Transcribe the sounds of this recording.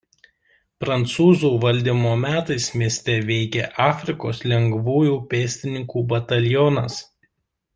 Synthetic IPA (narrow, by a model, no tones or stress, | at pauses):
pɾɐnt̪suːzuːʋɐlʲd̪ʲimoːmʲæːt̪ɐɪsmʲiɛsʲt̪ʲɛʋʲɛɪkʲeʔɑːfʲɾʲɪkoːslʲɛŋɡʋuːjuːpʲeːsʲt̪ʲɪnʲɪŋkuːbɐt̪ɐlʲjɔnɐs